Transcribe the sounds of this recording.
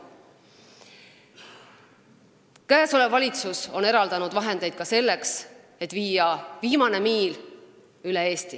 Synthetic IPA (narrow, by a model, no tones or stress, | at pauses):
kæːso̞le̞vɑlʲit̪suso̞ne̞ɾɑld̪̥ɑnud̪̥vɑɦe̞nd̪e̞jd̪̥̚kɑse̞lːe̞ks | e̞t̪ːˑviːjɑviːmɑne̞miːl | ylee̞ːst̪i